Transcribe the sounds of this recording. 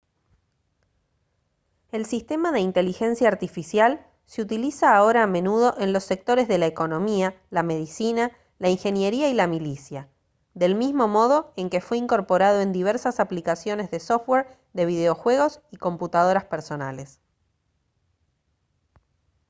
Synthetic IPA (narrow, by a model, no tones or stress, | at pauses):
e̞lsist̪e̞maðe̞int̪e̞lixe̞nsjaːɾt̪ifisjal | seut̪ilisaːo̞ɾaːmẽ̞nuð̞o̞ʔe̞nlo̞sːek̚t̪o̞ɾe̞zðe̞laeko̞nõ̞mia | lame̞ð̞isina | laiŋxe̞nje̞ɾiailamilisja | ðe̞lmizmo̞mo̞ð̞o̞e̞ŋke̞fwe̞iŋko̞ɾpo̞ɾaðo̞e̞nd̪iβ̞eɾsasaplikasjo̞ne̞zðe̞soft̪weɾ | d̪e̞β̞ið̞eo̞xwe̞ɣ̞o̞siko̞mput̪að̞o̞ɾaspeɾso̞na̰le̞s